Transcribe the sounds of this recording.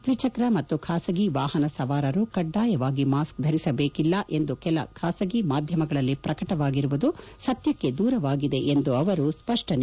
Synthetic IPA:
t̪ʋit͡ʃɐkɾɐmɐt̪ːukʰaːsɐɡiʋaːɦɐnɐsɐʋaːɾɐɾukɐɖːaːjɐʋaːɡimaːsk̚d̪ʱɐɾisɐbeːkilːɐʔe̞nd̪ukɛlɐ̰kʰaːsɐɡimaːd̪ʱjɐmɐɡɐɭɐlːipɾɐkɐʈɐʋaːɡiɾuʋud̪usɐt̪jɐkːe̞d̪uːɾɐʋaːɡid̪e̞ʔend̪uɐʋɐɾuspɐʂʈɐne

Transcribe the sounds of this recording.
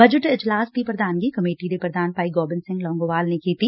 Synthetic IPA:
bɐd͡ʒəʈɪd͡ʒlaːst̪ipɾɐd̪ʱaːnkikɐmeːʈiɾepɾɐd̪ʱaːnpaːiɡɔːbɪnsɪ̃ŋɡlɔːŋɡoːʋaːlnekiːt̪i

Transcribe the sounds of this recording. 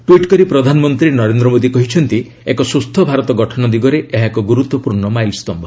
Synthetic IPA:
ʈwiʈkɔɾipɾɔd̪ʱanɔmɔnt̪ɾinɔɾend̪ɾɔmod̪ikɔɦit͡ʃʰɔnt̪i | ekɔsust̪ʰːɔbʱaɾɔt̪ɔɡɔʈʰɔnɔd̪iɡɔɾeʔeɦakɔɡuɾut̪wɔpuɾɳɔmajlst̪ɔmbʱɔ

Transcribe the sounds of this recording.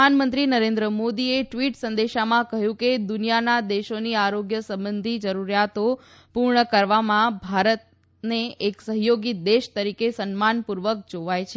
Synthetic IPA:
anmənt̪ɾinəɾẽnd̪ɾəmod̪ieʈʋiʈsənd̪eʃamãkəɦjũked̪unijanad̪eʃoniaɾoɡjəsə̃mbənd̪ʱid͡ʒəɾuɾjat̪o | puɾɳəkəɾʋamãbʱaɾət̪̚ | neeksəɦjoɡid̪eʃt̪əɾikesənmanpuɾʋək̚d͡ʒoʋajt͡ʃʰe

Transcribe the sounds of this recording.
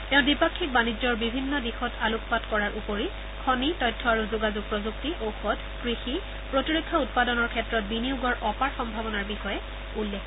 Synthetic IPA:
tɛʊ̃dipakʰːik̚banid͡ʒɔɹbibʱinːɔdixɔtʰalukpatkɔɹaɹʔupoɹi | kʰɔnitɔjtʰːɔaɹuzʊɡazuɡ̚pɹɔzuk̚tiʔowxɔd | kɹixi | pɹotiɹokʰːaut̚padɔnɔɹkʰɛtɹɔt̚biniuɡɔɹʔɔpaɹxɔmbʱabɔnaɹbixɔjɛ | ulːɛkʰ

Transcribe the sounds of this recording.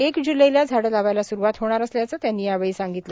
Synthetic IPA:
ekd͡ʑuləjljad͡zʱaɽəlaʋajlasuɾuʋat̪ɦoɽ̃aɾəsljat͡səːt̪janːiːjaʋeɭisaŋɡit̪la

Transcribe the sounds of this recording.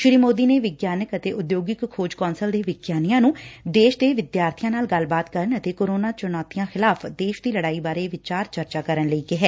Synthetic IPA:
ʃɪɾiːmoːd̪iːneːʋɪɡjaːnəkət̪eːʔʊd̪joːɡɪkkʰːoːd͡ʒkɔːnsəld̪eːʋɪɡjaːnijãːnũːd̪eːʃd̪eːʋɪd̪jaːɾt̪ʰɪjãːnaːlɡəlbaːt̪kəɾənət̪eːkoːɾoːnaːt͡ʃʊnɔːt̪ijãːxɪlaːpʰd̪eːʃd̪iːləɽaːiːbaːɾeːʋɪt͡ʃaːɾt͡ʃəɾt͡ʃaːkəɾənləiːkɪɦɛː

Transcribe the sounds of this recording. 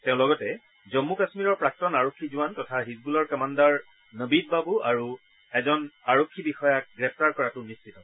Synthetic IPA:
tɛ̃ʊ̃lɔɡɔtɛ | zɔmːukasmiɹɔɹpɹak̚tɔnaɹokʰːizʊwantɔtʰaɦizbulɔɹkamandaɹ | nəbid̚babuaɹu | ɛzɔnaɹokʰːibixɔjak̚ɡɹɛp̚ʰtaɹkɔɹatʊnistʰitɔ

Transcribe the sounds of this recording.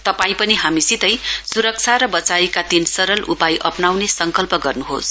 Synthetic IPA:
t̪ʌpaĩpʌniɦamisit̪ʌjsuɾʌk̚t͡sʰaɾʌbʌt͡sajkad̪insʌɾʌlʔupajʔʌpnawnesʌŋkʌlpʌɡʌrnuɦo̰s

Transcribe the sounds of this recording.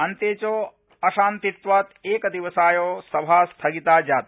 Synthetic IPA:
ɐnt̪eːt͡ʃoː | ɐʃaːnt̪it̪ʋaːt̪eːkɐt̪iʋɐsaːjoːsɐbʱaːst̪ʰɐɡit̪aːd͡ʒaːt̪

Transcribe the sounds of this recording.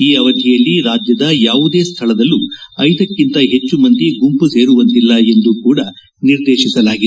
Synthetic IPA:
iːɐʋɐd̪ʱijɐlːiɾaːd͡ʒjɐd̪ɐjaːʋud̪eːst̪ʰɐɭɐd̪ɐlːuɐjd̪ɐkːint̪ɐɦe̞t͡ʃːumɐnt̪iɡumpuse̞ːɾuʋɐnt̪ilːɐe̞nd̪ukuːɽɐ | niɾd̪eːʃisɐlaːɡid̪

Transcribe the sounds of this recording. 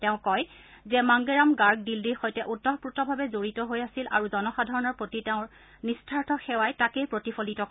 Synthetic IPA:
tɛʊ̃kɔj | zɛmaŋɡeɹamɡaɹɡ̚dildiɹxojtɛʔutːɔɦputɔbʱabɛzoɹitɔɦojasilʔa̰ɹuzɔnɔxadʱaɹɔnɔɹpotitɛʊ̃ɹ | nistʰaɹtʰɔxɛwajtakejpɹotifʰolitɔ

